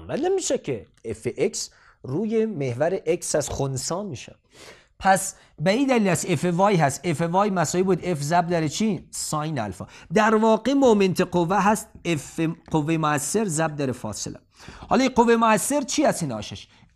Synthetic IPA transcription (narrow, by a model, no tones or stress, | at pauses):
mænːemiːʃecʰe | efeʔeks | ɾuːjemehvæɾeʔeksæzxonsɒːmiʃæ̰ | pʰæs | beiːd̪æliːlæsefevɒːjɦæst̪efevɒːjmæsɒːibuːd̪efzæb̚d̪ɒɾet͡ʃʰisɒːjnæ̰lfɒ̰ːd̪æɾvɒːɡemoment̪ʰeqovːæɦæst̪efeqovːejemoæsːeɾzæb̚d̪ɒːɾefɒ̰ːselʔæ̰ | hɒːliqovːejmoæsːe̞ɾt͡ʃʰiːæst̪inɒ̰ːʃeʃ